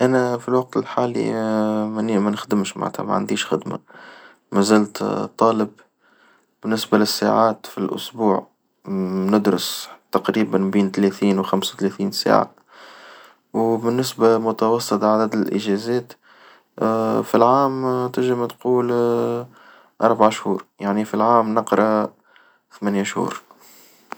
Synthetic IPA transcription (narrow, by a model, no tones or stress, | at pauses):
ʔænæfilwɑq̚t̪ɪlħaːlḭmmænxd̪əmʃma̰ʕt̪hæ̰mæ̰ʕa̰nd̪iːʃxɪ̰d̪ma̰ | mæzæːlt̪t̪ˤːɑːləb | bɪnːɪsbalɪsːa̰ʕaːt̪filʔʊ̰sbuːʕ | nʊd̪ɾʊst̪ɑqɾiːbanmbiːnt̪lɛθiːnwxamsawt̪lɛθiːnsa̰ːʕa̰ | wbɪnːɪsbamʊt̪ɑwɑsˤːɨt̪ˤʕad̪æd̪ɪlʔɪ̰ʒɛzɛːt̪ | filʕaːmt̪ɪʒɪmt̪quːl | ʔɑɾˤbaʕaʃhuːɾjaʕnifilʕaːmnɑqɾˤɑ | θmænjaʃhṵːɾ